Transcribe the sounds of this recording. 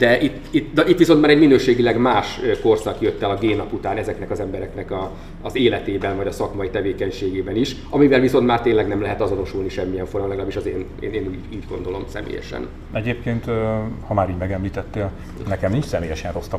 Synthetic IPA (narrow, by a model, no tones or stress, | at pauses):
d̪̥ɛʔit̪ːit̪nɒʔit̪ʋiso̞nt̪maːɾɛɟminøːʃeːɡilɛɡmaːʃøko̞rsɒkjøt̪ːɛlɒɡeːnɒput̪aːnɛzɛknɛkɒzɛmbɛɾɛkn̪ɛkɒː | zeːlɛt̪eːbɛnvɒɟɒsɒkmɒjit̪ɛveːkɛɲʃeːɡeːbɛniʃ | ɒmivɛlviso̞nt̪maːrt̪eːnlɛɡnɛmlɛɦɛt̪ɒzo̞no̞ʃulniʃɛmːijɛɱfoɾɒmlɛɡɒlaːbiʃɒzeːn | ḛːneːnuːɟuːɟɡo̞nd̪o̞lo̞msɛ̰mḛːjɛ̰ʃɛ̰n | ɛɟeːp̚keːnt̪hɒmaːɾiːɟmɛɡɛmliːt̪ɛt̪ːeːl | nɛkɛmnĩnt͡ʃsɛmeːjɛʃɛnro̞st̪ɒ